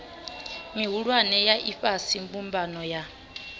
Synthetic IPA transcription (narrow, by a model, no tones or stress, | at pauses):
miɦuɺwanɛjaʔiɸasimbumbanɔja